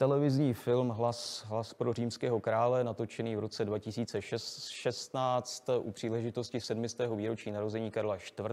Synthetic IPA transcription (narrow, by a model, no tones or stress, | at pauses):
t̪ɛlɛvɪzɲiːfɪlmɦlasɦlaspɾo̞riːmskɛːɦo̞kɾaːlɛnat̪o̞t͡ʃɛniːvɾo̞t͡sɛdvacɪsiːt͡sɛʃɛʃɛst̪naːt͡st̪ʔupr̝̥iːlɛʒɪt̪o̞scɪsɛdmɪst̪ɛːɦo̞viːɾo̞t͡ʃiːnaɾo̞zɛɲiːkaɾlaʃt̪vr